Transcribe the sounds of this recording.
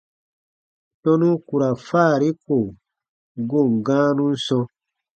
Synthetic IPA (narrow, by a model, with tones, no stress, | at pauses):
tɔ̃˦nũ˦ku˨ɾa˨faː˦˨ɾi˦ko˨ | ɡo˦˨ŋ˨ɡãː˦nũ˦n̩˦sɔ̃˧